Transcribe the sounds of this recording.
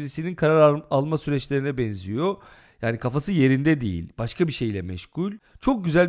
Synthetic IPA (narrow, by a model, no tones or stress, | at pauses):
iɾisininkʰaɾaɾaalˠmasyɾɛt͡ʃlʲe̞ɾinɛbɛnzijo̞ | jjaːnikʰafasɯje̞ɾind̪ɛd̪ḛjḭlʲbaʃkʰabiʃe̞jlʲɛmɛʃkulʲt͡ʃʰo̞k̚ɟyzælʲ